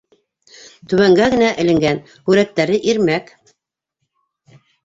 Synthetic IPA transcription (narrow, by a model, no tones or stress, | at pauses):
t̪ɵ̆βæŋɡæɣɘ̆næʔɘ̆lɘ̆ŋɡæn | hʉɾæt̪ːæɾɘʔiɾmæk